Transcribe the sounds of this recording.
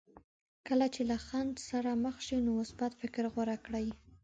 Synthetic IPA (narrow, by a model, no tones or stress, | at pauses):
kəlat͡ʃelaxand̪saɾaməxʃinomʊsbat̪fɪkɾɣwaɾakɽaj